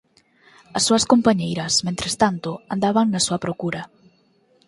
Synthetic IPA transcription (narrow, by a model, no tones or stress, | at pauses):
ɐsːuɐskompaɲejɾɐsmẽnt̪ɾest̪ant̪ʊand̪aβaŋnɐsuɐpɾokuɾɐ